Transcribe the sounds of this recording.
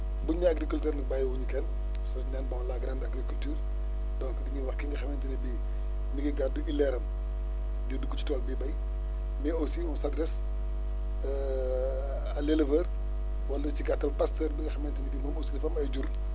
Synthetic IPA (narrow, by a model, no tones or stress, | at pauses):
buɲːɐɐɡɾikultɛːrnɐk̚bajwuɲukɛn | sɐnɛnbɔlaɡɾandɐɡɾikultyːr | dɔŋkdiɲiwɐxkiŋɡɐxɐmɛntinibi | niɡiɡadːuʔilːɛɾɐm | didukːut͡ʃi̥tɔːlbibɐj | mɛosimɔnsɐdɾɛs | ɐlelɐvɐr | wɐlːɐt͡ʃiɡatːɐlpɐstəːrbiŋɡɐxɐmɛntinibimɐmosinifɐmɐjɟur